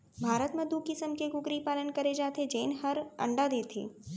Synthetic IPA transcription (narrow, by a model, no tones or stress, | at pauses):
bʱaːɾət̪mɐ̃d̪ʱukɪsəmkeɡʊɡɾipaːlənkɐɾed͡ʒaːt̪ʰed͡ʒeːnɦɐɾɐ̰̃ɳɖad̪eːt̪ʰḭː